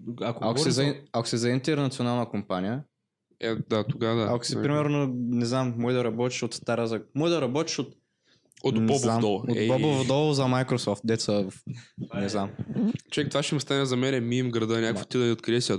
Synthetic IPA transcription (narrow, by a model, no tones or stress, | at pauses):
akoakosɛzɐiakʊ̥sɛzɐint̪ɛɾnɐt̪sionalˠnəkompanijə | ɛd̪at̪oɡad̪aako̥sipɾimɛɾnonɛznammɔjd̪ɐɾɐbɔt̪i̥ʃot̪st̪aɾazɐmɔjd̪ɐɾɐbɔt̪i̥ʃot̪ | ot̪nbɔbovmd̪ɔlˠobɔbovd̪ɔlˠzɐmajkɾosɔft̪̚d̪ɛt̪səvfnnɛznamt͡ʃovɛk̚t̪ovaʃɛmst̪anɛzɐmɛnɛmimɡɾɐd̪ənʲakvo̥t̪id̪ɐnʲɛot̪kɾiɛsʲə